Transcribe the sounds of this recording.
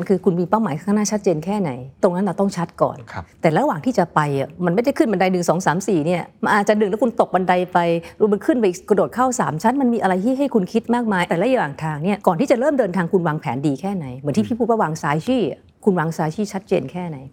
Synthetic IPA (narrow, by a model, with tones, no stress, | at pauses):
nkʰɯː˧kʰu˧nmiː˧pa˥˩wmaː˩˦kʰa˥˩naː˥˩t͡ɕʰa˦˥t̪̚t͡ɕeː˧nkʰɛː˥˩na˩˦jt̪o˧ŋna˦nlɾa˧wt̪ɔ˥˩ŋt͡ɕʰa˦˥t̪̚kɔ̰ː˨˩nʰ˦t̪ɛː˨˩la˧˦˧waː˨˩ŋt̪ʰiː˥˩t͡ɕa˨˩pa˧ja̰˨˩ma˧nma˥˩jda˥˩jkʰɯ˥˩nba˧nda˧jnɯ˨˩ŋsɔː˩˦ŋsaː˩˦msiː˨˩ni˥˩ɐma˧nʔaː˨˧˩t͡ɕa˨˩nɯ˨˩ŋlɛ˦˥kʰu˧nt̪o˨˩k̚ba˧nda˧jpa˧jɾma˧nkʰɯ˥˩npa˧˩ʔi˨˩kɾdoː˨˩t̪̚kʰaː˥˩wsaː˩˦mt͡ɕʰa˦˥nma˧nmiː˧ʔa˧ɾa˧jt̪ʰiː˥˩ɦa˥˩jkʰu˧nkʰi˦˥t̪̚maː˥˩k̚maː˧jt̪ɛː˨˩lɛ˦˥ja˧waː˨˩ŋt̪ʰaː˧ŋni˥˩ɐkɔː˨˩nt̪ʰiː˥˩t͡ɕa˨˩ɾɤː˥˩mdɤː˧nt̪ʰaː˧ŋkʰu˧nwaː˧ŋpʰɛ̰ː˩˦ndiː˧kʰɛː˥˩na˩˦jmɯ˩˦nt̪ʰi˥˩pʰiː˥˩pʰuː˥˩wa˥˩waː˧ŋsaː˨˧˥jt͡ɕʰiː˥˩a̰˩ | kʰu˧nwaː˧ŋsaː˧jt͡ɕʰiː˥˩t͡ɕʰa˦˥t̪̚t͡ɕeː˧nkʰɛː˥˩na˩˦j